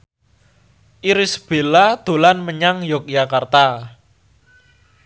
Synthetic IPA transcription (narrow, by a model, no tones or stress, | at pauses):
ʔiɾisb̥e̤lad̪̥o̤lanməɲaŋjɔk̚jakart̪a